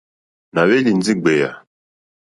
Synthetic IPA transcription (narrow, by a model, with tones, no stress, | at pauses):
na˨we˦li˨n˦d͡zi˦ɡ͡be˨ja̰˨